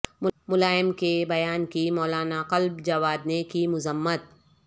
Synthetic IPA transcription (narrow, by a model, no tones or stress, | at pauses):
mmʊlaːjɪmkebɐjaːnkimɔːlaːnaqɐlbd͡ʒɐʋaːdnekimʊzəmːət̪̚